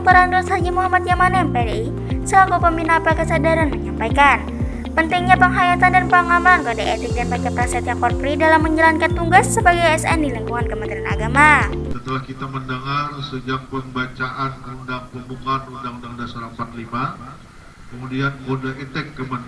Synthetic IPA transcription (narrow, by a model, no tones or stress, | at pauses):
at̪oɾandɔshad͡ʒimuɦamat̪̚jamanɛaŋpɛɾi | səlakupəminapakəsadaɾanməɲampajkan | pənt̪ɪŋɲapəŋɦajat̪andanpaŋamankadaʔet̪ɪk̚danpakɛpɾasat̪jakɔrpɾidalamːəɲd͡ʒalankant̪uŋɡasːəbaɡajɛsɛ̰ndiləŋkuŋankəmənt̪ɾiana̰ɡamasət̪əlahkit̪aməndəŋarsəd͡ʒak̚pəmbat͡ʃaʔanundaŋpəmbuŋanundaŋudaŋudasaɾəmpat̪̚lima | kəmudiankudaet̪ɛkːəman